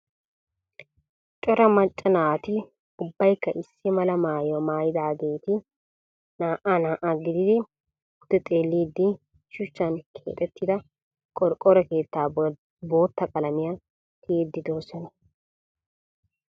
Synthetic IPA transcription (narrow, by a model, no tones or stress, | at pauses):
t͡ʃʼɔɾɐmɐt͡ʃʼːɐnaːt̪ɪ | ʊbːɐjkːɐʔɪsːɪmɐlɐmaːjɔmaːjɪd̪aːɡeːt̪ɪ | naːʔanaːʔaɡɪd̪ɪd̪ɪ | d̪̥ːɪt̪ʼeːlːiːd̪ːɪ | ʃʊt͡ʃːɐnkʰḛːt̪ʼɛt̪ːɪd̪ɐ | kʼɔɾkʼɔɾɐke̞ːt̪ːaː | bo̞ːt̪ːɐkʼɐlɐmɪja | t̪ʰɪeːd̪ːɪd̪o̞ːsɔnɐ